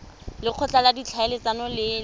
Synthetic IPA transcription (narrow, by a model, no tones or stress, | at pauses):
lɪq͡χʰɔt͡ɬaladit͡ɬʰaelɪt͡sanɔlɪ